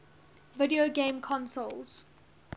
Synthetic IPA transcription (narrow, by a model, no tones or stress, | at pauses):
vɪdioɡẽmkʰɔ̃nsolz̥